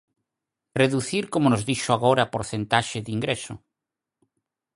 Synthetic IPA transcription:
reðuθiɾkomonozðiʃoaɣoɾaːpoɾθent̪aʃɪðiŋɡɾesʊ̰

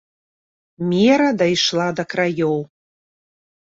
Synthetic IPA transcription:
mʲeɾɐd̪ɐjʃlˠad̪ɐkrajow

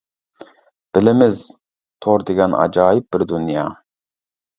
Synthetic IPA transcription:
b̥ɪlɪmɪz | t̪ʰoɾd̪eɡʲɛnɑ̰d͡ʒɑːjɪp̚bɪɾd̪unjɑ̰ː

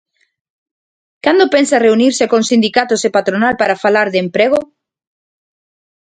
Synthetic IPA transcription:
kand̪opensareuniɾsekõŋsind̪ikat̪ʊsepat̪ɾonalpaɾafalaɾðempɾeɣo

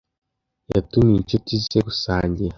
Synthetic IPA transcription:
ja̰tumiɲcotisekusaːɲɟiɾa

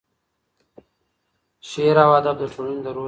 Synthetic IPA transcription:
ʃeɾawaːd̪ab̚d̪əʈ͡ʂʰoɽind̪əɾo

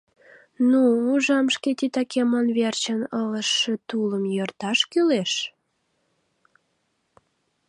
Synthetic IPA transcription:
nuːʒɑmʃket̪it̪ɑkemɑnβert͡ɕənələʃːĕt̪uləmjørt̪ɑʃkyleʃ

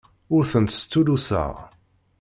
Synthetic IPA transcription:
ʊɾθənt̪st͡s̪ːulusə̰ʁ

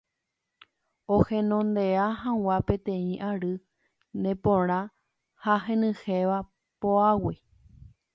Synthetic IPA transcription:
ohẽnõnd̪eahãw̃apẽ̞t̪ẽĩʔaɾɨ | nẽpõɾ̃ã | haɦẽ̞nɨ̃heʋa | poawi

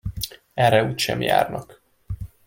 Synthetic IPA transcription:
ɛrːɛuːcʃɛ̰mja̰ːrnɒk

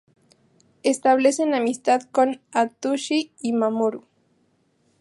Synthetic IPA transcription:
est̪aβlesenamist̪aðkonat̪uʃiimamoɾu

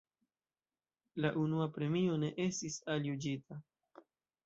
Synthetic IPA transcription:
laʔunuapɾe̞mio̞ne̞ʔe̞stisaljud͡ʒita

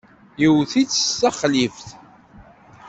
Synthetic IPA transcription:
jiwθit͡sːə̥sːaχlifθ

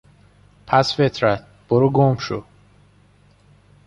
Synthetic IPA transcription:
pʰæsfet̪ʰɾæt̪̚ʰ | b̥oɾuɡomʃo̰

